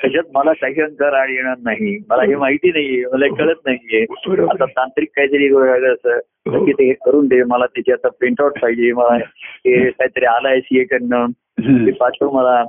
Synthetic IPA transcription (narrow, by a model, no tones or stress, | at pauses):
kəd͡ʑət̪̚məlakaɦiːə̃ŋkəɾaɽjeɽ̃aɾnaɦiməlaɦemaɦit̪iːnaɦieməlakəɭət̪̚naɦijeat̪at̪ant̪ɾiːkːaɦit̪əɾiːkosaɡəəsə | t̪əɾkiːt̪eɦekəɾuːnd̪eməlat̪et͡ɕʰeat̪apeɳʈawʈpʰaid͡ʑeməlaɦekaɦiːt̪əɾialaesijekəɳːən | ipat͡ɕʰəməla